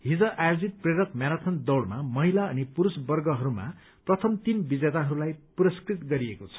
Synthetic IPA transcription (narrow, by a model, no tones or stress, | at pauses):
ɦid͡zʌʔajod͡zit̪̚preɾʌkmjaɾat̪ʰʌnd̪ʌwɽmamʌɦilaʌnipuɾusbʌrɡʌɦʌɾuma̰ | prʌt̪ʰʌmt̪imbid͡zet̪aɦʌɾulajpuɾʌskrit̪ɡʌɾiekot͡sʰʌ̥